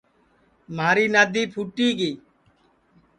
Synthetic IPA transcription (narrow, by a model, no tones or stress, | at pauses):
maːɾiːnaːd̪iːpʰuːʈiːɡiː